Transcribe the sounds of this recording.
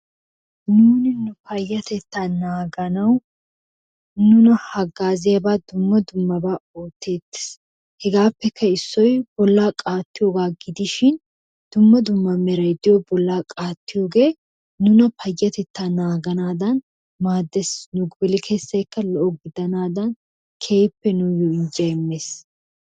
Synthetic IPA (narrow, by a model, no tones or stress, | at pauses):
nuːnɪnʊpɐjːɐt̪ɛt̪ːanaːɡɐnɐw | nʊnɐhɐɡaːzɪjɐbaːd̪ʊmːɐd̪ʊmːɐbaːoːt̪ːe̞ːt̪ːɪ̥s | hɛɡaːpːɛkʰːɐɪsːɔjb̥ɔlːaːkʼaːt̪ːɪjoːɡaːɡɪd̪ɪʃɪn | d̪̥ʊmːɐd̪ʊmːɐmɛɾɐjd̪ɪjɔbɔlːaːkʼaːt̪ːɪjoːɡe̞ː | ʊnɐpʰɐjːɐt̪ɛt̪ːanaːɡɐnaːd̪ɐn | maːd̪ːɛsnʊɡbɛlɪkʰe̞ːsːɐjkːɐlɔʔɔɡɪd̪ɐnaːd̪ɐn | kʰe̞ːpːɛnʊjɔɪnd͡ʒɐjɛmːeːs